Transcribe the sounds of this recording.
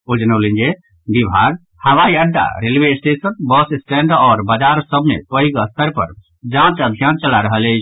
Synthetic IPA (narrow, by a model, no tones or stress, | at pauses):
od͡ʒənəʊlənd͡ʒe | b̪ibʱaɡ | həʋaiəɖːa̰ɾelʋesʈesənbəssʈɛ̃ɳɖɔːɾbad͡ʒaɾsəbʱnḛpəiɡəst̪ʰəɾpə̰ɾ | d͡ʒãt͡ʃəbʱijant͡ʃəlaɾəɦəlet͡ʃʰ